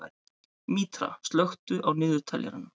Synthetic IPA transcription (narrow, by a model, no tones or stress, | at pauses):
miːt̪ɾa̰st̪lœxt̪ʏʔawnɪːðʏt̪ʰaːljɛ̰ɾɪnːa